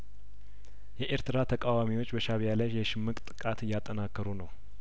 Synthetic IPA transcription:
jɛʔeɾt̪ɨɾat̪ʰəkʼawamiwo̞t͡ʃːbəʃaβjalajɛʃɪmːɨkʼt̪ʼɨ̥kʼat̪ɨjːat̪ʼːənakʰːəɾunəw

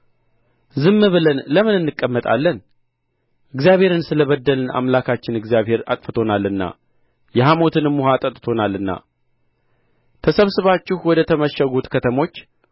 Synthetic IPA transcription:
zɨmːɨβɨlənləmɨnɨnːɨkʼːəmːət̪ʼa̰lːən | ʔɨɡzijaβhe̞ɾɨnsɨləβəd̪ːəlɨna̰mlakʰat͡ʃːɪnɨɡzijaβhe̞ɾa̰t̪ʼfət̪ʰo̞nalɨnːa̰ | jɛɦamo̞t̪ʰɨnɨmːuhat̪ʼət̪ʼt̪ʰo̞nalːɨnːa̰ | t̪ʰəsəβsɨβat͡ʃːɪhwɔd̪ət̪ʰəməʃəɡut̪kʰət̪ʰəmo̞t͡ʃː

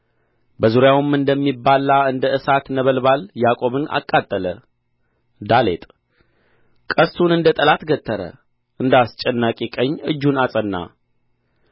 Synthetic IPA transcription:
bəzuɾjawɨmɨnd̪əmːibːalːaɨnd̪əɨsat̪nəβəlbaljakʼo̞βɨna̰kʼːat̪ʼːələ | d̪alḛt̪ʼ | kʼəst̪ʰunɨnd̪ət̪ʼəlat̪ɡət̪ʰːəɾə̰ | ʔɨnd̪ast͡ʃʼɛnːakʼekʼəɲːɨd͡ʒːunasʼənːa̰

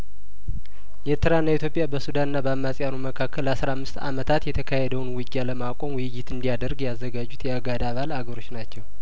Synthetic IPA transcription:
jɛɾt̪ʰɨɾanːait̪jo̞pʼjabəsud̪anɨnːabəamːasʼjanuməkʰakʰːəlːasɾamːɨst̪a̰mət̪ʰat̪jɛt̪ʰəkʰahɛd̪əwnwid͡ʒʼjaləmakʷʼo̞mwjɪjɪt̪ɨnd̪ijad̪əɾɡjazːəɡad͡ʒːut̪jɛaɡad̪aβalaɡəɾo̞t͡ʃːnat͡ʃːɛw

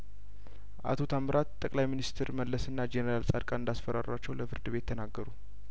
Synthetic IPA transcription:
ʔa̰t̪ʰo̞t̪ʰamɾʔat̪t̪ʼːəkʼlajminist̪ʰɾməlːəsɨnːad͡ʒenəɾalsʼad̪kʼaɨnd̪asfəɾa̰rat͡ʃːɛwləfɨɾd̪ɨβe̞t̪ʰːənaɡːəɾu

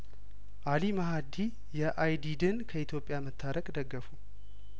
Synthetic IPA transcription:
ʔalimaɦad̪i | jɛʔajd̪id̪ɨnkʰəit̪ʰjo̞pʼːjamət̪ʰːaɾəkʼd̪əɡːəfu

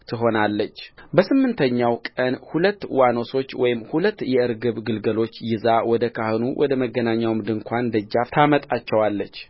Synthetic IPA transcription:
t̪ʰɨɦo̞nalːət͡ʃːbəsɨmːɨnt̪ʰəɲːawkʼənhulət̪ːwano̞so̞t͡ʃːwɔjɪmhulət̪ːjɛɨɾɡɨβɡɨlɡəlo̞t͡ʃːjɪzawɔd̪əkʰahɨnuwʔɔ̰d̪əməɡːənaɲːawmd̪ɨŋkʷʰand̪əd͡ʒːaft̪ʰamət̪ʼat͡ʃːɛwalːət͡ʃː

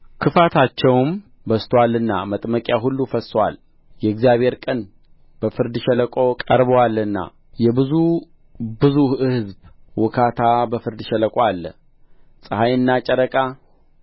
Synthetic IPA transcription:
kʰɨfat̪ʰat͡ʃːɛwm | bəst̪ʰwalːɨnːamət̪ʼməkʼjaɦulːufəswa̰l | jɛɡzijaβhe̞ɾkʼən | b̥əfɨɾd̪ʃɛləkʼo̞kʼəɾβəwalːɨnːa̰ | jɛbɨzu | bɨzuhɨhɨzbwɨkʰat̪ʰabəfɨɾd̪ʃɛləkʼwalːə | sʼɨhajɨnːat͡ʃʼɛɾəkʼa

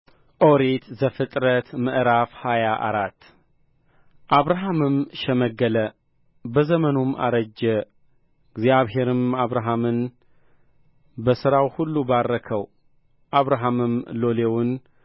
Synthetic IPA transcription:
ʔo̞ɾet̪zəfɨt̪ʼɾət̪mɨʔɾafhajaʔa̰ɾat̪ː | ʔaβɾaɦamɨmʃɛməɡːələ | bəzəmənoma̰ɾəd͡ʒːɛ | ɪɡzjaβɦe̞ɾɨmaβɾaɦamɨn | bəsɨɾawhulːubarːəkʰəw | ʔaβɾaɦamɨmlo̞lewʊn

